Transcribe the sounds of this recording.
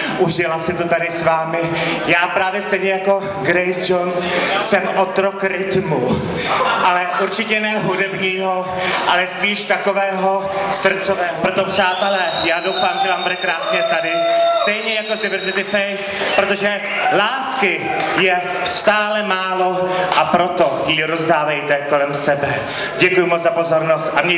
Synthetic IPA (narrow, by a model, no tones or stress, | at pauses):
ʔuʒɪlasɪt̪o̞t̪adɪsvaːmɪjaːpɾaːvjɛst̪ɛjɲɛjako̞ | ɡɾɛjsd͡ʒonssɛmʔot̪ɾokɾɪt̪mu | ʔalɛʔuɾt͡ʃɪcɛnɛːɦudɛbɲiːɦo | ʔalɛspiːʃt̪akovɛːɦo̞sr̩t͡sovɛːɦopɾot̪opr̥aːt̪ɛlɛːjaːdowfaːmʒɛvaːmbudɛkɾaːsɲɛt̪adɪst̪ɛjɲɛjakodɪvɛɾzɪt̪ɪfɛjʃ | pɾot̪oʒɛ | laːskɪjɛ | st̪aːlɛmaːloʔapɾot̪ojiɾozdaːvɛjt̪ɛkolɛmsɛbɛ | ɟɛkujʊmot͡szapo̞zoɾnost̪ʔamɲɛ